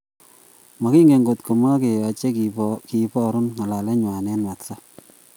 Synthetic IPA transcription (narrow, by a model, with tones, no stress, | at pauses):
ma˨ki˦ŋɡe˨ŋɡo˨tko˨ma˦ke˨jɔ˨t͡ʃe˦kki˨pɔ˦ɾu˦nŋa˨la˨lɛ˦ɲwa˨nɛ˦nwa˨tsa˦